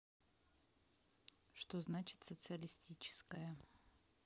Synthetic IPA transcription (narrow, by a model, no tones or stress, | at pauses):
ʂt̪oznat͡ɕɪ̥t̪sət̪sɨəlʲɪsʲtʲit͡ɕɪ̥skəjə